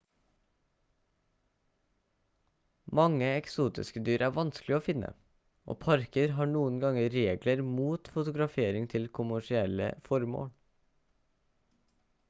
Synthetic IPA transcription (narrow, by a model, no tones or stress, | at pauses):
mɑŋəɛksuːt̪ɪ̰skəd̪yːɾæːʋɑnsklɪoːfɪnə̰ | o̰ːpʰɑɾkəɾɦɑːɳuːənɡɑŋəɾeːɡləɾmuːt̪fʊt̪ʊɡɾɑfeːɾɪŋt̪ʰɪlkʰʊmæʃɪɛlə̰fɔɾmo̰ːl